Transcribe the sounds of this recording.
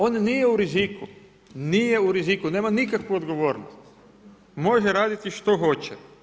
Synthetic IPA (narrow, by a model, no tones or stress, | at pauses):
o̞nnijeuɾiziku | nije̞uɾizikune̞ːmanikakʋuod̪ɡo̞ʋo̞ːɾnost̪ | mo̞ʒeɾaːd̪it̪iʃt̪o̞xo̞t͡ɕɛ